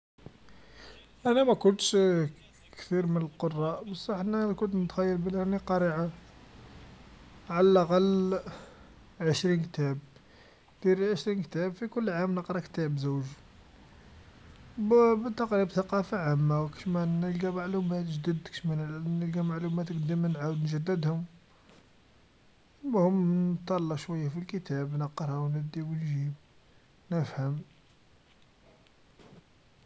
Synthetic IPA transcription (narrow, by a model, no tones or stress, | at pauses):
ʔænæmækʊnt̪ʃ | kt̪iɾmənəlqorˤːɑʔbɑsˤːɑħnækʊnt̪nət̪xæjːəlbəlæniqɑɾiʕa | ʕalælaqɑl | ʕəʃɾinkt̪æb̚ | d̪̥iɾlʕəʃɾinkt̪æbfikʊlːʕamnəqɾˤɑkt̪æbzuwʒ | bbət̪ːɑqɾibθɑqɑfaʕamːawkə̥ʃmænəlɡæmaʕlumæt̪ʒəd̪əd̪ki̥ʃmænnəlɡæmaʕlumæt̪kd̪əmənʕawd̪nʒæd̪ːəd̪hʊm | mhʊmnət̪ˤːɑlːɑʃwæjːæfilkət̪æbnəqɾˤɑwnəd̪iwnʒib | nəfhəm